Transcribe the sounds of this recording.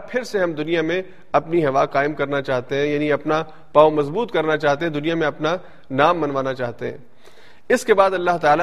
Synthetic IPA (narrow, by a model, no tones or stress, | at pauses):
pʰɪɾseɦɐmd̪ʊnijamẽ | ɐpniɦɐʋaːqaːɪmkɐɾnat͡ʃaːɦt̪eɦɛ̃jaːniɐpna | paːomɐzbuːt̪kɐɾnat͡ʃaːɦt̪eɦɛ̃d̪ʊnijamẽɐpna | naːmːɐnʋaːnat͡ʃaːɦt̪eɦɛ̰̃ː | ɪskebaːd̪ɐlːaɦt̪aːla